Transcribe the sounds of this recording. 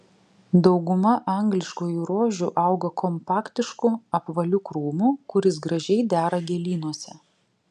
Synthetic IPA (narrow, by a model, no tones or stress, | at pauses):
d̪ɒʊɡʊmɐʔɐŋɡlʲɪʃkoːjuɾoːʒʲʊʔɑʊɡɐkɔmpɑːkt̪ʲɪʃkʊɐpʋɐlʲʊkɾuːmukʊɾʲɪsɡɾɐʒʲɛɪd̪ʲæːɾɐɡʲɛlʲiːnuɔsʲɛ